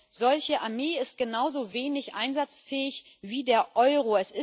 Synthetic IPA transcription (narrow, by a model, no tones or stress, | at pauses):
z̥ɔlçəʔaɐmeːɪst̚ɡ̥ənaʊzoveːnɪçʔa̰ɪnzat͡sfɛːɪç | viːdeːɐʔɔʏʁ̞oɛsɪ